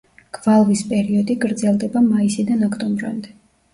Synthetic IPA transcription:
ɡ̥valˠvispʼɛɾiɔd̪iɡɾd̪zɛlˠd̪ɛbamaisid̪anɔkʰt̪ʼɔmbɾa̰nd̪ɛ

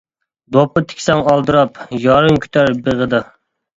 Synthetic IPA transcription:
d̪opɨt̪ʰɪ̥kʲsɛŋɑlˠd̪ɨɾɑpjɑɾɨŋkʲʰy̥t̪ʰæɾbeʁəd̪ɨ

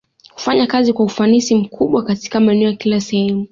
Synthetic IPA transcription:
ku̥faɲakazikwaufanisim̩kʰuɓwakati̥kamaɛnɛɔjakilasɛhɛmu

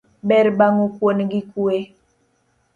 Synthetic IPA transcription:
ɓɛɾbaŋukwonɡikue

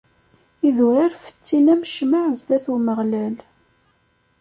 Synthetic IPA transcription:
iðʊɾiɾfə̥t͡sːinæməʃmaʕzd̪æθuməʁlæl

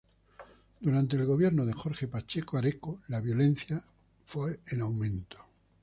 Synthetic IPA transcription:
d̪uɾant̪̬e̞ːlɣo̞βje̞ɾnoðe̞xo̞ɾxe̞pat͡ʃekoaɾekolaβjo̞le̞n̟θja | fweenawmẽnt̪o̥

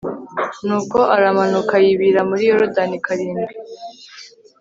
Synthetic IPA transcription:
nuːko̞ʔaɾamanukajiβiɾamuɾijoɾudanikʰaɾiːmɡi

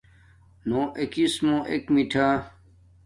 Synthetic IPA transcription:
nõːʔekismõʔekmiʈʰa

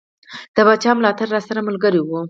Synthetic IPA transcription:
d̪̥əbat͡ʃɑmlɑt̪aɾːɑsaɾamʊlɡəɾiwu

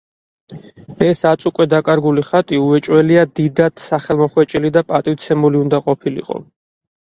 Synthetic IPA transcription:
ɛsat̪sʼukʼwɛd̪akʼaɾɡuliχat̪ʼiuɛt͡ʃʼwɛliad̪id̪at̪ʰsaχɛlˠmɔχwɛt͡ʃʼilid̪apʼat̪ʼiwt̪sʰɛmuliund̪aqʼɔpʰilḭqʼɔ̰

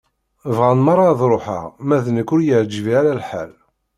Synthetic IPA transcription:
əvʁænmɑɾˤːɑðˤɾˤoħə̰ʁmæðənəkːʊɾjəʕd͡ʒviaɾælħa̰l

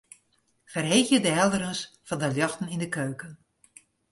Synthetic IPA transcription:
fərɦeːxjədəɦɛlˠdəɾənsfɑndəljɔxtən̩indəkøːkən

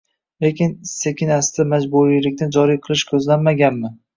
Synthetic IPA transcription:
le̞kʲɪnsekʲʰɪnast̪amad͡ʒbuɾijlɪkʲnɪd͡ʒɒɾijqʰɨlˠɪʃkʲʰɵzlanmaɡʲanmɪ

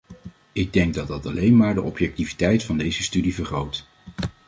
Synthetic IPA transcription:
ɪɡ̚dɛŋɡ̚dɑt̚dɑtɑlejnmaːɹdəʔɔpjɛk̚tivitɛjtfɑndejzəstydivəɹχrowt

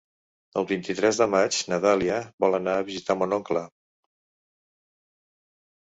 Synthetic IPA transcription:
əlˠβint̪it̪ɾɛzðəmad͡ʒnəðaliəβɔlˠənaːβizit̪amonɔŋklə

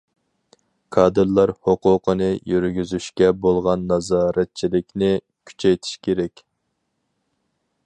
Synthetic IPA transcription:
kʰɑːd̪ɨɾlˠɑɾhoqʊqʰənɨjyɾɡʲyzyʃkʲɛbolˠʁɑnːɑzɑːɾɛt̪̚t͡ʃʰilɪkʲnɪ | kʲʰy̥t͡ʃʰɛjt̪ʰi̥ʃkʲʰeɾɛkʲ

